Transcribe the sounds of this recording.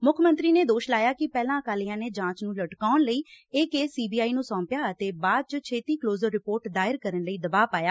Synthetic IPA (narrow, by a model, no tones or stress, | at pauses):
mʊkʰmə̃nt̪ɾiːneːd̪oːʃlaːjaːkɪpɛːlãːəkaːlijãːneːd͡ʒãːt͡ʃnũːləʈkaːʊnləiːeːkeːsiːbiːaːiːnũːsɔ̃ːmpjaːət̪eːbaːd̪̚t͡ʃət͡ʃʰeːt̪iːkloːzəɾːɪpoːɾʈd̪aːɪɾkəɾənləiːd̪əbaːpaːjaː